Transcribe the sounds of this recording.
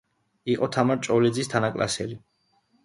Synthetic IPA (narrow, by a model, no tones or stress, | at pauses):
iqʼɔt̪ʰamaɾt͡ʃʼɔlɛd̪zist̪ʰanakʼla̰sɛli